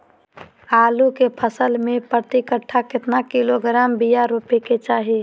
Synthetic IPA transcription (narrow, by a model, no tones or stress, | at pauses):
aːlukepʰəsəlmẽpɾət̪ikəʈʰːakɪt̪nakɪloɡɾaːmbijaɾupeket͡ʃaːɦi